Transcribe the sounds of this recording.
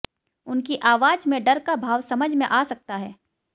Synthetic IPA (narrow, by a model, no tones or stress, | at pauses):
ʊnkiʔaːʋaːd͡ʒmẽɖɐɾkabʱaːʋsɐməd͡ʒʱmẽʔaːsɐk̚t̪aɦɛː